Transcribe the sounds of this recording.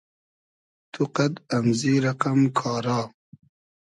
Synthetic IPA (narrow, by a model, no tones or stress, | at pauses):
t̪ʰuqad̪ɐmziɾɐqamkʰɑːɾɑː